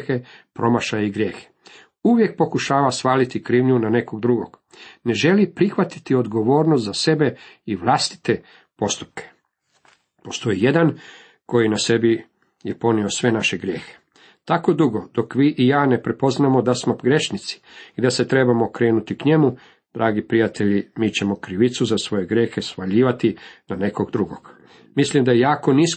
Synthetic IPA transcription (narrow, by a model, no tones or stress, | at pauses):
xe̞pɾo̞maʃajiɡɾje̞ːxe̥ | uʋje̞k̚po̞kuʃaːʋasʋaːlit̪ikɾiːʋɲunane̞ko̞ɡ̚d̪ɾuɡo̞̰ɡ̥ | ne̞ʒe̞lipɾixʋat̪i̥t̪io̞d̪ɡo̞ʋo̞ːɾnost̪zase̞be̞iʋlast̪i̥t̪e̞ | po̞st̪u̥p̚kʰe̥ | po̞st̪o̞jije̞d̪an | ko̞jinase̞bi | je̞po̞nio̞sʋe̞naʃe̞ɡɾjeːxe | t̪akod̪uɡo̞d̪o̞kʋiːʔijaːne̞pɾe̞po̞znamo̞d̪asmo̞pɡɾe̞ʃnit̪si̥id̪ase̞t̪ɾe̞bamo̞kɾe̞ːnut̪ikɲe̞mu | d̪̥ɾaːɡipɾijat̪e̞ʎimiːt͡ɕe̞mo̞kɾiʋit̪suzasʋo̞je̞ɡɾʲje̞ːxe̞sʋaʎiːʋat̪inane̞koɡd̪ɾuɡoɡ̥ | mislimd̪ajejaːko̞nis